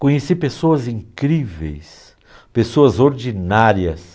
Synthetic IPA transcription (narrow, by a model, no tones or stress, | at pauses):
kõɲesipesoɐzĩŋkɾivḛjs | pesoɐzoɾd͡ʒinaɾjɐs